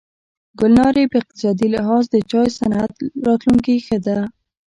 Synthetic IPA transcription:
ɡʊlnɑɾepəɪq̚t̪ɪ̥sɑd̪ilɪɦɑzd̪ət͡ʃɑjsanat̪ɾɑt̪luŋkixəd̪a

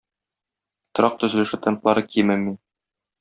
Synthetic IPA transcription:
t̪ŏɾɑq̚t̪ɵ̆zɘ̆lɘ̆ʃɘt̪ent̪lˠɑɾɤkimɘmmːin

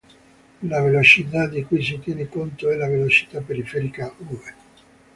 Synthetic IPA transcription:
lavelot͡ʃit̪̬ad̪ikujs̬it̪jɛnekont̪oɛlavelot͡ʃi̥t̪apːeɾifɛɾikauve

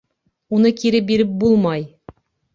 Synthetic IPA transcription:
unɤkiɾɘbiɾɘp̚bulˠmɑj

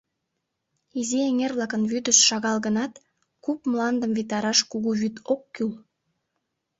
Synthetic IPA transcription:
izieŋervlɑkənvyd̪əsʃɑɣɑlɣənɑt̪ | kupmlˠɑnd̪əmvit̪ɑɾɑʃkuɣuβyt̪okːyl

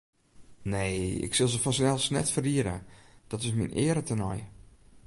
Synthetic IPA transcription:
neːɪ̰ksɪlˠzəfɔnsnɛlˠsnɛ̰tfəriəɾə̰d̥ɔtɪsminʔɪːəɾətʰənɔ̰j

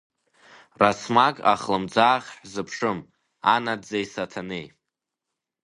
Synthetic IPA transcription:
rasmakʼa̰χlɨmd͡zaːχʲħʷzɨpʰʂɨm | anadd͡zajsatʰanej

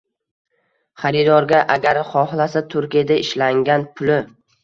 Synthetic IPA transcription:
χaɾid̪ɒɾɡʲaʔaɡʲaɾχɒhlˠasat̪ʰʊɾkʲijad̪aɪʃlaŋɡʲanpʰʊlɪ

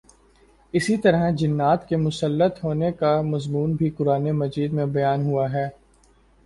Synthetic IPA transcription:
ɪsit̪ɐɾəd͡ʒɪnːaːt̪kemʊsəlːət̪ɦoːnekamɐzmuːnbʱikʊɾaːnemɐd͡ʒiːd̪mẽbɐjaːnɦuaɦɛː

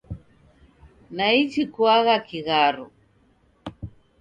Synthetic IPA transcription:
nait͡ʃikwaɣakiɣaɾu

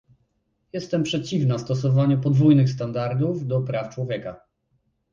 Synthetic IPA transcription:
jɛst̪ɛmpʂɛt͡ɕivnast̪ɔs̬ɔvaɲɛpɔd̪vujnɘxst̪and̪aɾd̪uvd̪ɔpɾaft͡ʂwɔvʲjɛka

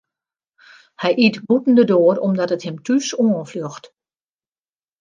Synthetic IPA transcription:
hɛjʔitbutn̩dədoərɔmdɔtəthɪmtysoənfløxt

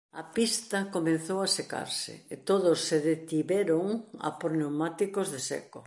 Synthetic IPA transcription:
ɐ̰pist̪ɐkomẽnθowɐseka̰ɾsɪ̰et̪oðʊsːeðet̪iβɛɾoŋɐ̰poɾnewmat̪ikozðesɛ̰ko

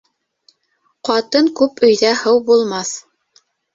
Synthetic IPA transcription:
qɑt̪ɤŋkʉpɵ̆jðæhɤwbulˠmɑθ

